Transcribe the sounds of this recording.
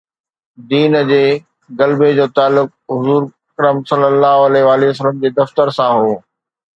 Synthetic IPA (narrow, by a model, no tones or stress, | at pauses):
d̪iːnəd͡ʑeː | ɡɐlbed͡ʑoːt̪aːlːʊk̚ɦʊzuːɾ | kɐɾəmsɐlːəlːaːɦɐleʋaːliəsələmd͡ʑeːd̪ɐft̪əɾsãɦoː